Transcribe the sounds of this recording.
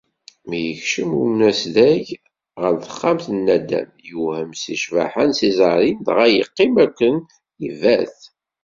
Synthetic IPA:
mijəçʃəmunæslæʝ | ʁəlθə̥χːamθənːæd̪æ̰mjuhəmsiʃva̰ħansizˤɑɾˤind̪ʁæjəqːimækʷːən | ivæθ

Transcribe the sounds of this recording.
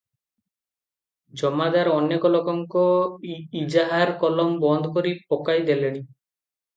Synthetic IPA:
d͡ʒɔmad̪aɾɔnekɔlɔkɔŋkɔ | id͡ʒaɦaɾkɔlɔmbɔnd̪ʱkoɾipokajd̪eleɽ̃i

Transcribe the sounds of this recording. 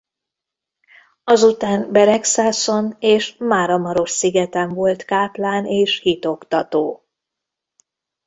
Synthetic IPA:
ɒzut̪aːnbɛɾɛksaːso̞neːʃmaːɾɒmɒɾo̞ʃsiɡɛt̪ɛɱvo̞lt̪kaːplaːneːʃhit̪o̞kt̪ɒt̪oː

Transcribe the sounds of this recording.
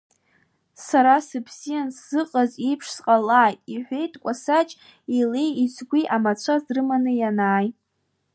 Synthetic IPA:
saɾasɨpʰsijansz̥ɨqʼazipʰʂsqʼalaːjtʼiħʷe̞jtʼkʷʼasat͡ʃʼ | ile̞jisʷʰɡʷiʔamat͡ɕʷʰazrɨmanɨjanaːjʼ

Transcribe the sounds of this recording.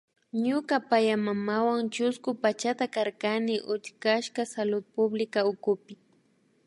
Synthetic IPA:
ɲʊkapajamamawaŋt͡ʃʊskʊpat͡ʃat̪akaɾkanɪʔʊt͡ʃkaʃkasalʊd̪̚pʊblɪkaʊkʊpɪ

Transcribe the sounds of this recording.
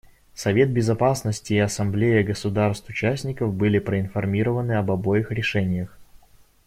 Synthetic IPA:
sɐvʲe̞t̪̚bʲɪzɐpasnəsʲtʲɪːɐsɐmblʲejəɡəsʊd̪arst̪ʊt͡ɕæsʲnʲɪkəfbɨlʲɪpɾəɪnfɐrmʲiɾəvənɨɐbɐbo̞jɪxɾʲɪʂɛnʲɪjəx

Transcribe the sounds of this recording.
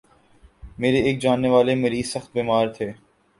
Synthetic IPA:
meːɾeeːk̚d͡ʒaːnːeʋaːlemeːɾisəxt̪̚biːmaːɾt̪ʰeː

